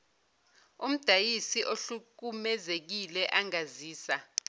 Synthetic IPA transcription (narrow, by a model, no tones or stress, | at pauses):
um̩d̥ʱajisiʔoɬuk̬umɛzek̬ilɛʔaŋaziːsa